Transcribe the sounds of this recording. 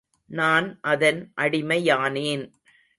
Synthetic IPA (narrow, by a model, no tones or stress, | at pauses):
naːnʔɐðɐnʔɐɽɪmɐjaːneːn